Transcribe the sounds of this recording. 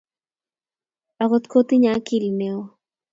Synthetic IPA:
a˨ko˧t̪kʰo˦t̪i˦ɲa˦ki˨lne˧w

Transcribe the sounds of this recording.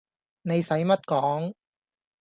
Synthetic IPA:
ne˨˧jsɐ˨˥jmɐ˥t̚kɔː˨˥ŋ

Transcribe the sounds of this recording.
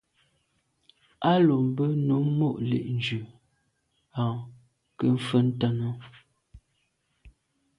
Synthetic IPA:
a˦lo˨m˨bə˦no˨˦mo˦˨ʔlḛ˨ʔn̩˨d͡ʒʉ˨ | a˨ | kə˦ɱ̩˦fə˦n̩˦tə˦nə˦

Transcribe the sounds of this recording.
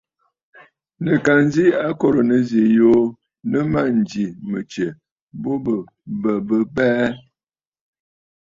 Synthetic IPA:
nə˨ka˨nzi˦a˦ko˦ɾə˨nə˨ze˨jo˦ | nə˦ma˦˨n˨d͡ʒi˨mə˨t͡ʃe˨ | bo˦bə˨ | bə˨bə˦bɛː˦

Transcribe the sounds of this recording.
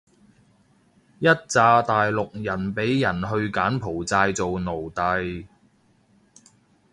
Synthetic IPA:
jɐ˥t̚t͡saː˧t̪aː˨jlʊ˨k̚jɐ˨˩npe˨˥jːɐ˨˩nɦɵ˧ɥkaː˨˥npʰo˨˩wt͡saː˧jt͡so˨wno˨˩wt̪ɐ˨˧j

